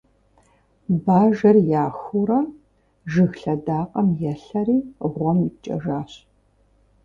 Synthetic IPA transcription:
baːʒɐrjaːxuɾɐ | ʒɨxɬɐdaːqʼɐmjɛɬɐɾiːʁʷɔmit͡ʃʼɐ̰ʒaːɕ

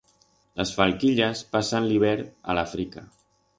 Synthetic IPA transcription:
ləsfalˠkiʎəspasənliβ̞ɛɾə̰lafɾikə

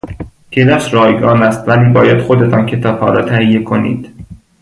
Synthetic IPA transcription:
kʰelæʃɾɒːjɡɒːnæst̪væliːbɒːjæd̪̥xod̪e̞t̪ɒːncʰe̞t̪ʰɒːbhɒ̰ːɾɒ̰ːt̪ʰæhijːekʰonḭːd̪̥

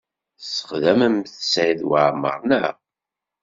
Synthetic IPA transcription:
sə̥χðæməmθsiðwəʕmə̰ɾˤnæ̰

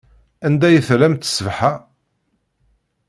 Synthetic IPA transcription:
ænd̪æjəθlæmt̪ə̥svħa

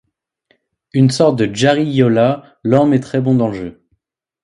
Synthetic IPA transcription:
ynsɔʁt̪̚d̪əʒaʁijɔla | lɔ̃mɛt̪χɛbɔ̃d̪ɑ̃ləʒø

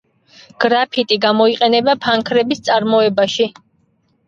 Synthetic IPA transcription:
ɡ̥ɾapʰit̪ʼiɡamɔiqʼɛnɛbapʰaŋkʰɾɛbist̪sʼaɾmɔɛbaʃi

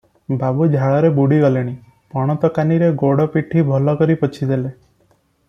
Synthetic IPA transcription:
babud͡ʒʱaɭɔɾebuɽiɡɔleɽ̃i | pɔɽ̃ɔt̪ɔkaniɾeɡoɽɔpiʈʰibʱɔlɔkɔɾipɔt͡ʃʰid̪ele

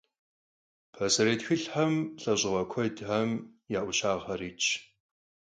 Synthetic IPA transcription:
pʰɐsɐɾeːtxɨɬħɐmɬʼɐɕʼɪʁɐkʷʰɔdħɐmjaːʔʷʊɕaːʁɐriːt͡ʃʼʰ

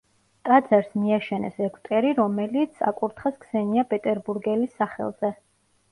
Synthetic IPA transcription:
k̪ʼad̪zaɾsmiaʃɛnɛ̰sɛkʰʼt̪ʼɛɾiɾɔmɛlit̪sʰa̰kʼuɾt̪ʰχaskʰsɛniapʼɛt̪ʼɛɾbuɾɡɛlisːaχɛ̰lˠz̥ɛ

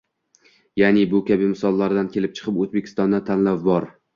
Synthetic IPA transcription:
janɪbʊkʲʰabɪmɪsɒlˠːaɾd̪ankʲʰe̞lɪp̚t͡ʃʰɨ̥qʰɨpozbekʲʰɪ̥st̪ɒnd̪at̪ʰanlawbɒɾ

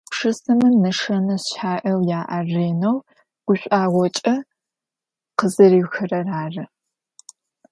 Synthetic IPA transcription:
ʂɨsɨmɨnɐʂɐnɐsʃaːʔɐwjaːʔɐreːnɐw | ɡ̥ʷʊɕʷʼaːʁʷɔt͡ʃʼɐ | qəzɐɾiːwxɨrɐraːrɨ

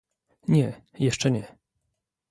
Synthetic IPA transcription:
ɲɛjɛʂt͡ʂɛɲɛ

